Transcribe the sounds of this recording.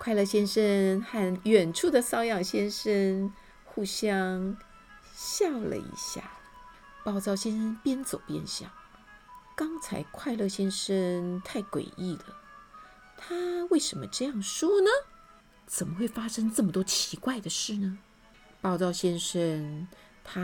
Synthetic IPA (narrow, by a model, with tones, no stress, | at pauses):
kʰwa˥˧ɪlɤ˥˩ɕjɛ˥nʂə˥nxa˥˩nɥɛ˨˩nʈ͡ʂʰu˥˩d̪ə˩sɑ˥ʊjɑ˥˩ŋɕjɛ˥nʂə˥n | xu˥˩ɕjɑ˥ŋ | ɕjɑ˥˩lə̰˧ḭ˧˥ɕja̰˥˩ | pɑ˥˧ʊt͡sɑ˥˩ʊɕjɛ˥nʂə˥npjɛ˥nt͡so˨˩ʊpjɛ̰˥˧nɕjɑ̰˥˩ŋ | kɑ˥ŋt͡sʰa̰˧˥ɪkʰwa˥˧ɪlɤ˥˩ɕjɛ˥nʂə˥nt̪ʰa˥˩ɪkwḛ˨˩ɪʔi˥˩d̪ə˩ | t̪ʰa˥we˥˩ɪʂə˧˥nmə̰˧ʈ͡ʂɤ˥˧jɑ˥˩ŋʂwɔ˥nə˨ | t͡sə˨˩nmə˦xwe˥˩ɪfa˥ʂɤ˥ŋʈ͡ʂɤ˥˩mə˩t̪wɔ˥t͡ɕʰi˧˥kwa˥˩ɪd̪ə˩ʂɻ̩˥˩nə˩ | pɑ˥˧ʊt͡sɑ˥˩ʊɕjɛ˥nʂə˥n | t̪ʰa˥